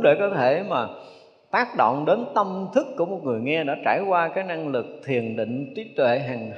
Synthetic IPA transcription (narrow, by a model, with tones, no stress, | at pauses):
ɗe˧˩kɔ˨˦t̪ʰe˧˩maː˨˩ | t̪aː˦˥k̚ɗo̰˧˨wŋ͡mɗe˨˦nt̪ə˧mt̪ʰɨ˦˥kːu˧˩əmo˨˩t̚ŋɨ˨˩əjŋɛ˧ɗa̰ː˧˥t͡ɕa̰ː˧˩jkwaː˧kaː˨˦˥jna˧ŋlɨ˨˩k̚t̪ʰi˨˩ənɗḭ˧˨ŋ̟t͡ɕi˨˦t̪wḛ˧˨ɦaː˨˩ŋ